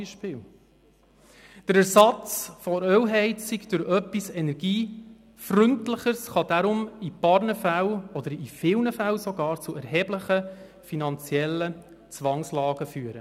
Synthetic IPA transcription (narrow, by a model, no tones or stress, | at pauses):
iʃpɪl | d̥əɾæɾsɑt͡sfɔɾœwɦɛɪt͡sikd̥ʊɾœpːisɛnɛɾɡ̥iː | frʏntləχəɾsχɑd̥aɾʊmipɑɾnəfæwɔd̥̪əɾifɪwnəfæwsɔɡɑːɾt͡suɛɾɦɛːbləχə | finɑnt͡sjɛlːə | t͡sʋɑŋslɑːɡəfyːəɾə